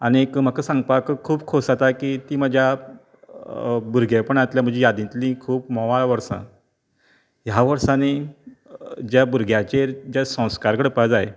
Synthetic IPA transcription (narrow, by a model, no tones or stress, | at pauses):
añiekm̤akəsãŋɡ̚pakəkʰuːbkʰosat̪akit̪iːm̤əd͡ʑʱja | buɾɡʱjepəɳat̪ljam̤ə̃ɳd͡ʑejad̪ĩt̪lĩkʰuːpmɔʋalʋəɾsã̰ | ɦjaʋəɾsane | d͡ʑjabuɾɡʱjat͡ɕeɾd͡ʑjasə̃w̃skaɾkəɽəpad͡zae